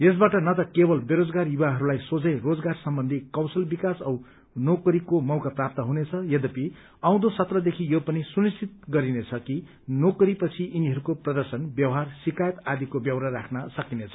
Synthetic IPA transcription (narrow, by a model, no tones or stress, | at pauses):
jes̬baʈʌnʌt̪ʌkebʌlbeɾod͡zɡarjubaɦʌɾulajsod͡zʌjrod͡zɡarsʌmbʌnd̪ʱikʌwsʌlbikasʌw | nokʌɾikomʌwkaprap̚t̪ʌɦunet͡sʰʌjʌd̪ʌpi | ãw̃d̪osʌt̪rʌd̪ekʰijopʌnisunist͡sʰit̪̚ɡʌɾinet͡sʰʌki | nokɾipʌt͡sʰiʔiniɦʌɾukoprʌd̪ʌrsʌnbjʌwɦarsikajet̪ad̪ikobjʌwɾarakʰnʌsʌkinet͡sʰʌ̥